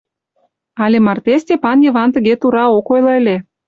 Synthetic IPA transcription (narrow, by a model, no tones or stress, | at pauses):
ɑlʲemɑrt̪est̪ʲepɑnjə̆βɑnt̪ə̆ɣet̪uɾɑokojlɤ̆əlʲe